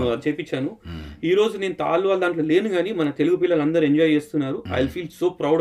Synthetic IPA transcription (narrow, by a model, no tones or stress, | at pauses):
t͡ʃejpit͡ʃːaːnuiːɾo̞ːd͡ʒune̞ːnut̪a̰ːlːuʋaːld̪aːɳʈ̬loːle̞ːnuɡaːnimɐnɐt̪e̞luɡup̬iːlːɐlɐnd̪ɐɾie̞ɲd͡ʒɔːjt͡ʃe̞ːst̪unːaːɾuɐ̰jlpʰiːlsoːpɾɐwɽ